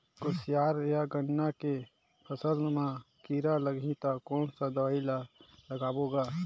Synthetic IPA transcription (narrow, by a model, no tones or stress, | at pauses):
kʊsijaːɾjaɡənːake | pʰəsəlmã | kiːɾaləɡʱĩt̪akɔːnsad̪əailaləɡaːboːɡaː